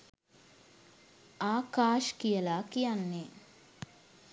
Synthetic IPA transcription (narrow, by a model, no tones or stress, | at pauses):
aːkaːʃkijɐlaːkijanːe